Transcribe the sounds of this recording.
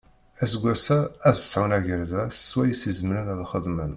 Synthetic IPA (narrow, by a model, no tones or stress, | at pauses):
æsɡʷːæsææzəsʕawnæʝəɾðæsːwæjəsizəmɾænæðχəðmən